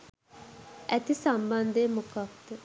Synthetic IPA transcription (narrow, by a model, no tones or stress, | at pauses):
ʔæt̪isamband̪ejːmokak̚t̪ə